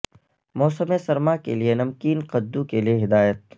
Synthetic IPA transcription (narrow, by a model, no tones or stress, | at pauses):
mɔːsəmesɐɾmakḛlienɐmkiːnqɐd̪ːukelieɦɪd̪aːjət̪̚